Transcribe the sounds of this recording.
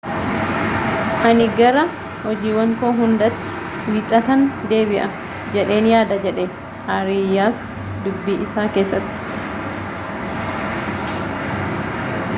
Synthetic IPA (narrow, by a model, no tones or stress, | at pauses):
ʔɐnɪɡɐɾɐ | hɔd͡ʒiːwɐŋkoːɦʊnd̪ɐt̪ːɪ̥ | wiːt̪ʼːɐt̪ɐnd̪e̞ːβɪʔɐ | d͡ʒɛᶑe̞ːnjaːd̪ɐd͡ʒɛᶑe | haɾijaːs | d̪ʊbːiːʔɪsaːke̞ːsːɐt̪ːɪ̥